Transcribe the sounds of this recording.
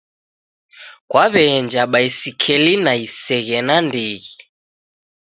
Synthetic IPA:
kwaβɛnd͡ʒaɓaisikʰɛlinaisɛɣɛnandiɣi

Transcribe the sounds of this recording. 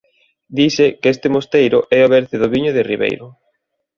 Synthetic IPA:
d̪isɪkest̪ɪmost̪ejɾʊʔɛoβɛɾθɪðʊβiɲʊðɪriβḛjɾʊ

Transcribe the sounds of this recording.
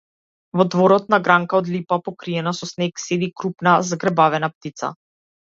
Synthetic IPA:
vɔd̪vɔɾɔt̪̚naɡɾaŋkaɔd̪lipapɔkɾiɛnasɔsnɛksɛd̪ikɾupnazaɡɾɛbavɛnap̚t̪it̪sa̰

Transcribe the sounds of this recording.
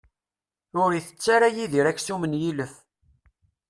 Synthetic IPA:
ʊɾiθə̥t͡sːaɾæjiðiɾæçsumənjiləf

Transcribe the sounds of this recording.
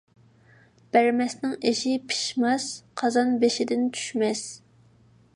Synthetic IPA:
b̥æɾmɛsnɪŋeʃɪpʰi̥ʃmɑsqʰɑzɑnbeʃɪd̪ɪnt͡ʃʰy̥ʃmɛs

